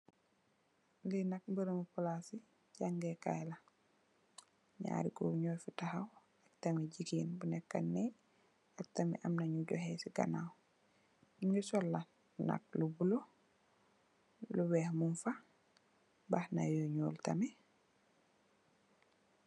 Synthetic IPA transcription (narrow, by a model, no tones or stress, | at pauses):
linak̚bəɾomupɔlasi | ɟaŋɡɛka̰jla | ɲa̰ːɾiko̰ːɲɔːjfutahaw | ak̚tamiɟikiːnbunɛkːanːɛ | ak̚tamḭʔamnaɲuɟɔhɛsiɡa̰na̰w | iŋɡɛsɔlːa | na̰k̚lubulo | luwɛːhmunfa | bahna̰joɲoːltamɛ